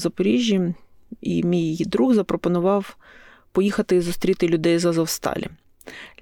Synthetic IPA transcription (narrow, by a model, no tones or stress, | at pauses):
zɐpɔɾʲiʒʲːji | imʲijd̪ɾuɣzɐpɾɔpɔnʊʋɑw | pɔjixɐt̪ɪizʊst̪ɾʲit̪ɪlʲʊd̪ɛjzɐzɐwst̪ɑ̰lʲḭ